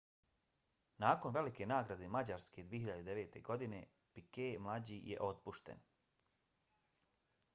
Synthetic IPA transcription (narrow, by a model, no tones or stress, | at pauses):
naːko̞nʋe̞like̞naːɡɾad̪emad͡ʑaɾske̞d̪ʋieɦiʎad̪ed̪eʋeːt̪e̞ɡo̞d̪ine̞ | pikemlˠad͡ʑijḛʔo̞t̪̚puʃt̪ḛn